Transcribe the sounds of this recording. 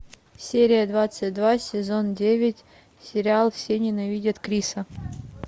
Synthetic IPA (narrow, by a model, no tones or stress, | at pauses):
sʲeɾʲɪjəd̪vat̪sɨtʲd̪vasʲɪzo̞ndʲevʲɪtʲ | sʲɪɾʲɪalˠfsʲenʲɪnɐvʲidʲət̪kɾʲisə